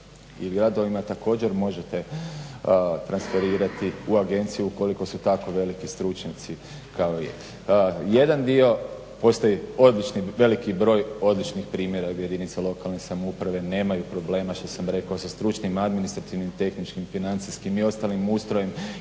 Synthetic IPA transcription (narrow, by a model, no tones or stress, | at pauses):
iɡɾad̪o̞ʋimat̪ako̞ːd͡ʑe̞ɾmo̞ʒe̞t̪e̞ | t̪ɾansfe̞ɾiːɾat̪iuaɡe̞nt̪sijuuko̞liko̞sut̪ako̞ʋe̞likist̪ɾut͡ʃɲat̪si | kaojḛ | je̞d̪and̪io̞ | po̞st̪ojio̞d̪lit͡ʃniʋe̞likibɾo̞ːjo̞d̪lit͡ʃnixpɾiːmje̞ɾaje̞d̪init̪selˠo̞kalne̞samoupɾaʋe̞ne̞ːmajupɾo̞ble̞ːmaʃt̪o̞samɾe̞kaosast̪ɾut͡ʃnimad̪minist̪ɾat̪iʋnimt̪e̞xnit͡ʃkimfinant̪siskimio̞st̪aːlimuːst̪ɾojem